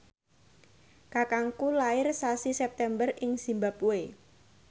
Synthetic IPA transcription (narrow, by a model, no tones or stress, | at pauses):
kakaŋkulaɪrsasisɛp̚t̪ɛmbərɪŋsimbapue